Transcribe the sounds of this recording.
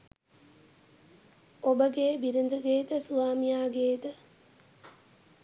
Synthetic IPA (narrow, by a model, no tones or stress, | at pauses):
obəɡeːbiɾind̪əɡeːt̪əsuʋaːmijaːɡeːt̪ə